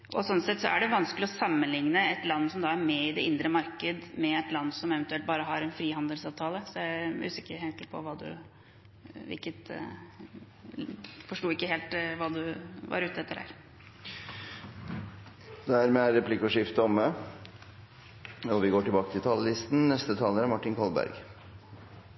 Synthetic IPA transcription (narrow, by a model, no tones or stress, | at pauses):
ʔɔsɔnsɛt̪ːsɔæ̰ɖɛʋɑnsklɪɔsɑmːənlɪŋnəɛt̪lɑnːsɔmd̪ɑæɾmɛɪd̪ɛɪnd̪ɾəmɑɾkəd̪mɛɛt̪lɑnːsɔmɛʋɛnt̪ʉɛlt̪bɑːɾəɦɑɾɛnfɾiːhɑnd̪əlsɑːʋt̪ʰɑːləsɔjæɪʉ̰ːsɪkːəɾheːt̪pʰɔ̰ʋɑːd̪ʉ̰ | ʋɪ̰ɾkət̪ | fɔʂʈuːɪkːəɦeːlt̪ʋɑːd̪ʉʋɑ̰ɾʉːt̪ːəɛt̪ːəɖæ̰ːɾ | d̪̥ææɾmɛæɾɛpʰlɪkʊʂɪft̪əɔmə | ɔʋɪɡoːʈɪbɑːkət̪ʰɪlt̪ʰɑːləlɪst̪n̩nɛst̪ət̪ʰɑːləɾæɾmɑʈːɪnkʰɔlbæ̰ɾɡ